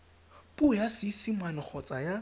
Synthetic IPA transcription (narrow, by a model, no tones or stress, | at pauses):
pʼʊjasɪsimanɪk͡xʰɔt͡sʼaja